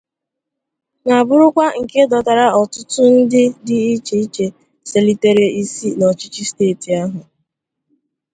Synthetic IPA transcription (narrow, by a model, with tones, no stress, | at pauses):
na˨bʊ˦ɾʊ˦kʷa˦ŋ̩˨ke˦dɔ˨ta˨ɾa˨ɔ˨tʊ˦tʊ˦n̩˦dɪ˦dɪ˦i˦t͡ʃe˦i˦t͡ʃe˨ | se˨li˨te˨ɾe˦i˦si˦nɔ˨t͡ʃi˦t͡ʃi˦steː˦˨ti˨a˦ɦʊ˨